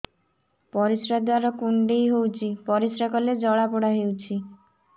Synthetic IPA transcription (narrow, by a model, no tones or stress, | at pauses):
pɔɾisɾad̪waɾɔkuɳɖejɦowt͡ʃʰipɔɾisɾakɔled͡ʒɔɽapɔɽaɦewt͡ʃʰi